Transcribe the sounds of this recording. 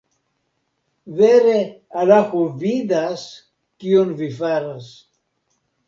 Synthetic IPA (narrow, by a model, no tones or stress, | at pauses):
veɾealaxuvid̪as | kionvifaɾas